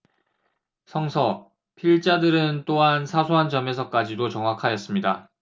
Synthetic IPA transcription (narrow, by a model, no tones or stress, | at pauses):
sʰʌŋsʰʌ | pʰiɭt͡ɕ͈adɯɾɯnt͈oɦansʰasʰoɦand͡ʑʌme̞s̬ʰʌk͈ad͡ʑidot͡ɕʌŋwakʰajʌs͈ɯmɲida